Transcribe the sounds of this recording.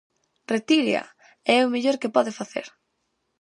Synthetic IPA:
ret̪iɾjɐ̰ | ɛomeʎoɾkɪpɔðɪfaθḛɾ

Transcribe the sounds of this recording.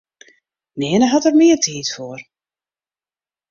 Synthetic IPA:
neːnəɦɔtərmɪːərtʰiːtfoːər

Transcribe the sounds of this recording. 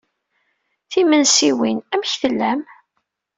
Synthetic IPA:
θimənsiwinæmçθəlːæm

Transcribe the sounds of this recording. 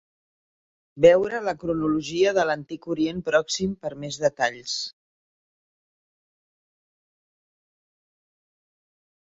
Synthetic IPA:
bɛwɾələkɾunuluʒiəðələnt̪ikuɾienpɾɔksimpəɾmezðət̪aʎs

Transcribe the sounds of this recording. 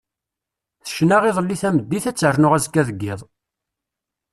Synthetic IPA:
θə̥ʃnæʁiðˤəlːiθæməd̪ːiθæt͡sːərnʊʁæzkːæðəɡːɪðˤ

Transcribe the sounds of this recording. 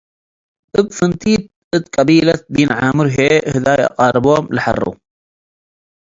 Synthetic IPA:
ʔəbfɨnt̪iːt̪̚ | ɨt̪kʼabiːlat̪̚biːnʕaːmʊɾɦeːhɪd̪aːjʔa̰qɑːɾˤɨboːmlħɑ̰rˤːṵ

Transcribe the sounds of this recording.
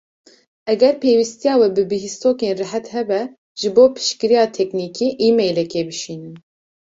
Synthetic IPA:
ɛɡɛɾpʰeːwist̪ijɑːwɛbɨbɨɦist̪oːkeːnrɨɦɛt̪hɛbɛ | ʒ̥ɨboːpʰɨ̥ʃkɨɾijɑːt̪ʰɛknikiːʔiːmejlɛkebɨʃiːnɨn

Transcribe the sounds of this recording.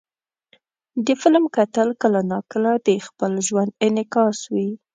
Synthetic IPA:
d̪əfɪlmkat̪əlkəlanɑkəlad̪expəlʒwand̪ɪnɪkɑswi

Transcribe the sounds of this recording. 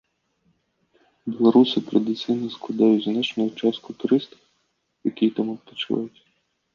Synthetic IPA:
bʲilˠɐɾusʲit̪ɾɐd̪ɪt̪sɪjnɐsklˠɐd̪ɑjʊtʲznɛt͡ʃnʊjʊt͡ʃɑst̪kʊt̪ʊɾɪst̪ɐ̥w | jɐkʲijt̪amɔppɔt͡ʃʊʋɑ̰jʊtʲ

